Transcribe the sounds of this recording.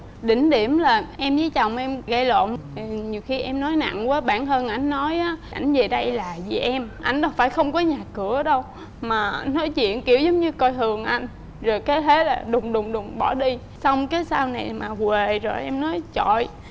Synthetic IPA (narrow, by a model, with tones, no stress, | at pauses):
ɗï˧˩ŋ̟ɗi˧˩əmlaː˨˩ʔɛ˧mzə˨˦jt͡ɕa˨˩wŋ͡mʔɛ˧mɣa˧jlo̰˧˨nt̪i˨˩ɲi˨˩əwxi˧ʔɛ˧mnɔ˨˦jna̰˧˨ŋwaː˨˦ɓaː˧˩nɦəː˧nʔa˧˩jŋ̟ːɔ˨˦jʔaː˨˦ʔa˧˩jŋ̟ve˨˩ɗə˧jlaː˨˩zi˨˩ʔɛ˧mʔa˧jŋ̟ɗɔ˨˦faː˧˩jxə˧wŋ͡mkɔ˨˦ɲaː˨˩kɨ˧˩əɗə˧w | maː˨˩nɔ˨˦jt͡ɕwḭ˧˨ənki˧˩əwzə˨˦ŋ͡mɲɨ˧kɔ˧jt̪ʰɨ˨˩əŋʔa˧jŋ̟ | zo˨˩jkaː˨˦jt̪ʰe˨˦laː˨˩ɗʊ˨˩ŋ͡mɗʊ˨˩ŋ͡mɗʊ˨˩ŋ͡mɓɔ˧˩ɗi˧ | sa˧wŋ͡mkaː˨˦jsaː˧wna˨˩jmaː˨˩kwe˨˩zo˨˩jʔɛ˧mnɔ˨˦jt͡ɕɔ̰˧˨j